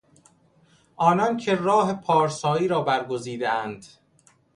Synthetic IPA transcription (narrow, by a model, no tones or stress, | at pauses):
ʔɒːnɒːncʰerɒːɦepʰɒːɾsɒːiːɾɒːbæɾɡoziːd̪eænd̪̥